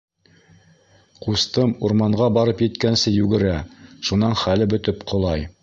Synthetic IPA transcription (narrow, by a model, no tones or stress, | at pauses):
qust̪ɤmuɾmɑɴɢɑbɑɾɤpjɘ̆t̪kænsɘjʉɡɘ̆ɾæʃunɑnχælɘbɵ̆t̪ɘpqʰŏlˠɑj